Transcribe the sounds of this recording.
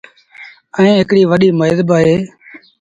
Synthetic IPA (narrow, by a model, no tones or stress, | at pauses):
ə̃ẽːɦɪkɽiːʋəɗiːməjzbaːɦeː